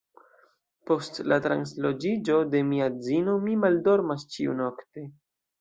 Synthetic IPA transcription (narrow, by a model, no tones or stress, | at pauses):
po̞stlatɾa̰nslo̞d͡ʒid͡ʒo̞de̞miad͡zino̞mimaldo̞ɾmast͡ʃiṵno̞kte̞